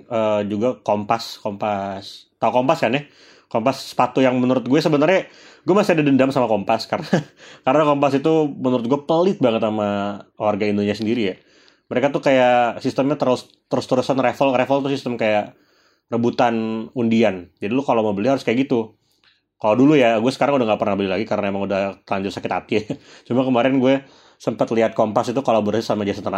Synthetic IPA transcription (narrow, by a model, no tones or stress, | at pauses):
əːd͡ʒuɡakompaskompast̪aukompaskanjɛ | kompasːə̥pat̪ujaŋmənuɾʊt̪̚ɡuɛsəbənərɲa | ɡuɛmasiadadəndamsamakompaskaɾənakaɾənakompasit̪umənuɾʊt̪̚ɡuɛpəlɪt̪̚baŋət̪̚namawarɡaindunsias̬əndiɾija | məɾekat̪ʊkajasist̪əmɲat̪əɾʊs | t̪əɾʊst̪əɾusanrefəlrefəlt̪̬ʊsist̪əmkajaʔ | rəbut̪anundiand͡ʒadilʊkalowməbəlɪhɦaɾʊskajaʔɡit̪u | kaladulujaɡuɛsəkaɾaŋudahŋɡapərnahbəlɪhlaɡikaɾənaemaŋudaht̪əlaɲd͡ʒʊt̪sakɪt̪a̰t̪ijat͡ʃumakəmaɾɛnɡuɛ | səmpət̪liɦat̪̚kompasit̪ukolaboɾasisamad͡ʒas̬at̪əna